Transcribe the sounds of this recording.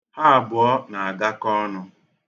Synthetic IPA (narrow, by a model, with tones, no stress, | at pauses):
ha˦a˨bʊ˨ɔ˦na˨a˨ɡa˦kɔ˦nʊ˨